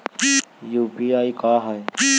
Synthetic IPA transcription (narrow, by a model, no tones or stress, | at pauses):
jupiaːikaːɦaj